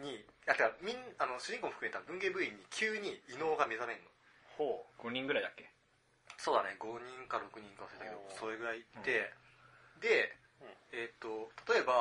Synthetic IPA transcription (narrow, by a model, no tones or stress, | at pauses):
ɲ̟iat̪ekamʲĩnano̞ɕɨʑĩŋko̞moɸɯkɯmet̪abɯ̟̃ŋɡe̞bɯ̟iɲ̟ːikʲʰɨːɲ̟iːno̞ːɡame̞zamẽ̞nːo̞ | hoːɡ̥o̞ɲ̟ĩŋɡɯ̟ɾaid̪akːe̞ | so̞ːd̪a̰ne̞ɡo̞ɲ̟ĩŋkaɾo̞kɯ̟ɲ̟ĩŋkasɯet̪ake̞d̪oso̞ɾeɡɯ̟ɾait̪ːe̞ | d̪e̞ | et̪ːo̞t̪ʰḁt̪o̞e̞ba